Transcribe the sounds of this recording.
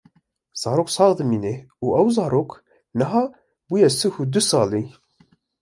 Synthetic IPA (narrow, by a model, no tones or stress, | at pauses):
z̥ɑːɾoksɑːɣd̪əmineuʔæwzɑːɾok | nəɦɑː | bujɛsəhud̪usɑːli